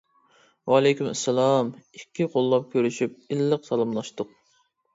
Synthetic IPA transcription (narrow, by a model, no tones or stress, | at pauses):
wɑlˠɛjkʲymɛ̰sːɛlˠɑmikʲʰːiqʰolˠːɑp̚kʲʰøɾyʃyp̚ilːəqsɑlˠɨmlˠɑʃt̪ʊq̚